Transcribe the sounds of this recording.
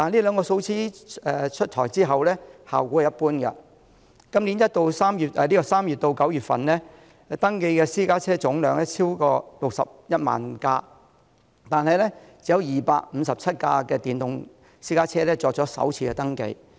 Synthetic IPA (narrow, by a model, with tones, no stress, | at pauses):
t̪aː˨˧nliː˥lœː˨˧ŋkɔː˧so˧˥wt͡sʰiː˥ɛː˨˩t͡ʃʰɵ˥t̚t̪ʰɔː˨˩jt͡siː˥ɦɐ˨wlɛː˥ha̰ː˨wku˨˥˨jɐ˥t̚puː˥nkɐ̰˧ | kɐ˥mliː˨˥njɐ˥t̚t̪o˧wsaː˥mjyː˨˩t̚ɛ˨liː˥kɔː˧saː˥mjyː˨t̚t̪o˧wkɐ˨˥wjyː˨t̚fɐ̰˨nlɛː˥ | t̪ɐ˥ŋke˧jkɛː˧siː˥kaː˥t͡sʰɛː˥t͡sʊ˨˥ŋlœː˨˧ŋlɛː˥t͡sʰiː˥wkɔː˧lʊ˨k̚sɐ̰˨p̚jɐ˥t̚ma̰ː˨˩nkaː˧ | t̪aː˨nɦɐ˨jlɛ˥t͡siː˨˩jɐ˧wjiː˨pa̰ː˧k̚m̩˨˧sɐ˨p̚t͡sʰɐ˥t̚ka̰ː˧kɛː˧t̪iː˨nt̪ʊ˨ŋ | siː˥kaː˥t͡sʰɛː˥lɛː˥t͡ʃɔː˨k̚t͡ʃɔː˨˥sɐ̰˨˥wt͡sʰiː˧kɛː˧t̪ɐ˥ŋkḛ˧j